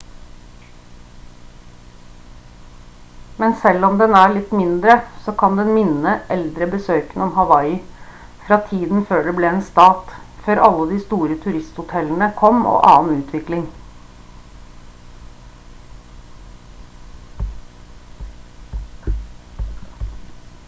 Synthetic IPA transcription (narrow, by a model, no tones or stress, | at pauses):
mɛnsɛlɔmd̪ɛnæːɭɪt̪mɪnd̪ɾəsoːkʰɑnd̪ɛnmɪnəʔɛld̪ɾəbəsøːkənɔmhɑʋɑɪ | fɾɑːt̪ʰiːd̪n̩føːɖɛbleeːnst̪ɑːt̪føːɾɑlːəd̪iːst̪uːɾət̪ʰʉɾɪst̪hʊt̪ʰɛlən̩əkʰɔmo̰ːʔɑ̰ːnʉːt̪ʰʋɪklɪŋ